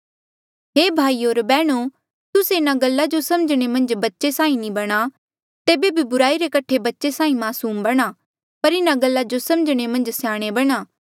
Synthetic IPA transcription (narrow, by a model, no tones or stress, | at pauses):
ɦeːbʱaːioːɾbɛːɽ̃u | t̪ʊseɪnaɡɐlːad͡ʒosɐməd͡ʒɽ̃emɐ̃nd͡ʒbɐtːʃesãːĩnĩbɐɽ̃a | t̪eːbebʱibʊɾaːiɾekɐʈʰebɐtːʃesãːĩmaːsuːmbɐɽ̃a | pɐɾɪnaɡɐlːad͡ʒosɐməd͡ʒɽ̃emɐ̃nd͡ʒsjãːɽ̃ebɐɽ̃aː